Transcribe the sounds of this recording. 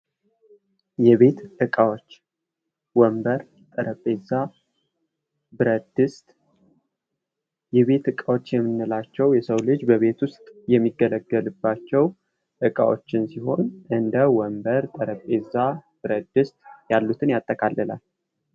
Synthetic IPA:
jɛβe̞t̪ʔɨkʼawot͡ʃː | wɔmbəɾ | t̪ʼəɾəpʼːeza | bɨɾəd̪ɨst̪ʼ | jɛβe̞t̪ɨkʼawo̞t͡ʃːjɛmːɨnːɨlat͡ʃːɛwjɛsəwlɨd͡ʒbəβe̞t̪wʊst̪ʼjɛmːiɡələɡːəlɨbːat͡ʃːɛw | ʔɨkʼa̰wo̰t͡ʃːɪnsiho̞nʔɨnd̪əwɔmbəɾt̪ʼəɾəpʼːezab̥ɨɾəd̪ɨst̪ʼjalːut̪ʰɨnjat̪ʼːəkʼalːɨla̰l

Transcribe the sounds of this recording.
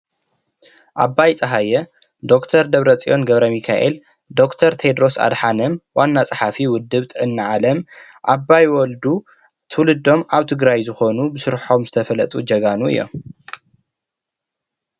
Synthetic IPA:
ʔabːajt͡sʼɐɦajɐd̪o̞kt̪ʰɐɾd̪ɐβɾɐt͡sʼiʔo̞nɡɐβɾɐmikʰaʔel | d̪o̞kt̪ʰɐɾt̪ʰed̪ɾo̞sa̰d̪ħanɐmwanːat͡sʼaħafiwʊd̪ːɨβt̪ʼɨʕɨnːaʕalɐmʔabːajwɔld̪u | t̪ʰɨwlɨd̪o̞maβt̪ʰɨɡɾajzɨxo̞nubɨsɨɾħo̞mzɨt̪ʰɐfɐlɐt̪ʼud͡ʒɐɡanuɨ̰jːo̞̰m

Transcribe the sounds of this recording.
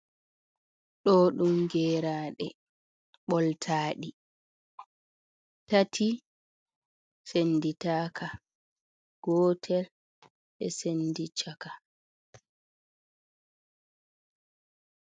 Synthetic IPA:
ɗɔɗumɡɛːɾaːɗɛ | ɓɔltʰaːɗi | tatʰi | senditaːkʰa | ɡ̥ɔːtʰɛl | ɛ̰sendit͡ʃaka

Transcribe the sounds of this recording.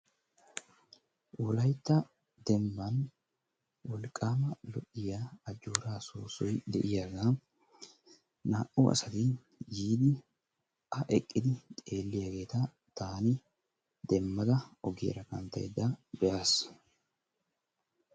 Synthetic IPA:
wʊlɐjt̪ːɐ | d̪̥ɛmbɐn | wɔlkʼːaːmɐlɔʔɪjaːd͡ʒːuːɾaːsoːsɔjd̪ɛʔɪjaɡa | naːʔuʔɐ̰sɐt̪ɪ | jiːd̪ɪ | ɐʔɛkʼːɪd̪ɪt̪ʼeːlːɪjɐɡe̞ːt̪a | t̪aːnɪ | d̪ɛmːɐd̪ɐɔɡḭːɾɐkɐ̰nt̪ɐ̰jɛd̪abɛʔaːs

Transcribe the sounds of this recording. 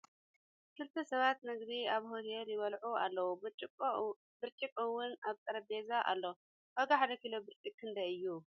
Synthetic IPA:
kʰɨlt̪ʰɐsɐβat̪nɨɡd̪iaβhot̪eɾjɪβɐlʕua̰lːɐwut͡ʃʼ | bɨɾt͡ʃʼikʼɨwːʊnaβt̪ʼɐɾɐbezaʔa̰lːo | hɐɡaħad̪ɐkilobɨɾt͡ʃʼikʰːɨnd̪ɐɨjːu

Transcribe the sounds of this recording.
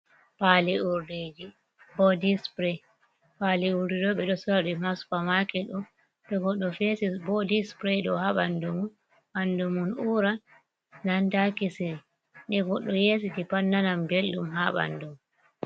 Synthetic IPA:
paliuɾded͡ʒi | bɔdispɾɛ | paliuɾdɛdɔɓɛɗɔsɔdimaspamakɛɗum | ɗɔɡɔɗːɔfesisbɔdispɾɛɗɔhaɓandumun | andumunuɾa | nandakisiɾi | ɗɛɡɔɗːɔjesitipanːanambelːumɦaɓa̰ndum

